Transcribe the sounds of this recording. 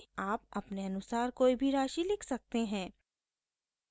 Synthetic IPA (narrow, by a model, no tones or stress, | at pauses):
aːpɐpneɐnʊsaːɾkoːibʱiɾaːʃilɪkʰsɐk̚t̪eɦɛ̃ː